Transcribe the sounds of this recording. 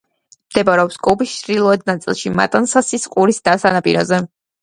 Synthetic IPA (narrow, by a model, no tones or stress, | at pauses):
md̪̥ɛbaɾɛɔpskʼubisʃɾilˠɔɛd̪̚nat̪sʼḭlˠʃima̰t̪ʼansasisqʼuɾisd̪asanapʼḭɾɔ̰zɛ